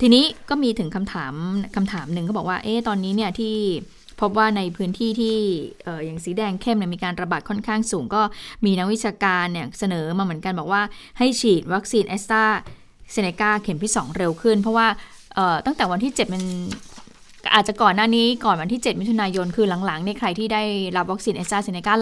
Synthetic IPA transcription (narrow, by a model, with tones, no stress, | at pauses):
t̪ʰiː˧niː˦˥kɔː˥˩miː˧t̪ʰɯ˨˩˦ŋkʰa˧mt̪ʰaː˩˦mkʰa˧mt̪ʰaː˩˦mnɯ˧ŋkʰɔ˥˩bɔ˨˩k̚waː˥˩ʔeː˦˥˩t̪ɔː˧nːiː˦˥ni˥˩ɐt̪ʰiː˥˩ | pʰo˦˥p̬̚waː˥˩na˧jpʰɯː˦˥nt̪ʰiː˥˩t̪ʰiː˥˩ʔɤː˨˩ja˨˩ŋsiː˩˦dɛː˧ŋkʰe˥˩mni˧˩miː˧kaː˧nɾa˧baː˨˩t̪̚kʰɔ˥˩nkʰaː˥˩ŋsuː˩˦ŋkɔː˥˩miː˧na˦˥k̚wi˦˥t͡ɕʰaː˧kaː˧nːi˧˩sa˧nɤː˩˦maː˧mɯ˩˦ənka˧nbɔː˨˩waː˥˩ha˥˩jt͡ɕʰiː˨˩t̪̚wa˦˥k̚siː˧nʔe˦˥st̪aː˥˩ | se˧neː˧kaː˥˩kʰe˩˦mt̪ʰiː˥˩sɔ̰ː˩˦ŋɾe˧wkʰɯ˥˩npʰɔ˦˥waː˥˩ | ʔɤː˨˩t̪a˥˩ŋt̪ɛː˨˩wa˧nt̪ʰiː˥˩t͡ɕe˨˩t̪̚pe˧n | ʔaː˨˩t͡ɕa˨˩kɔː˨˩nːaː˥˩niː˦˥kɔː˨˩nwa˧nt̪ʰiː˥˩t͡ɕe˨˩t̪̚mi˦˥t̪ʰu˧naː˧jo˧nkʰɯː˧la˨˩˦ŋla˩˦ŋni˧˥˩kʰɾa˧jt̪ʰiː˥˩daː˥˩jɾa˦˥p̚wa˦˥k̚si˧nʔe˦˥st̪aː˥˩se˧ne˧kaː˥˩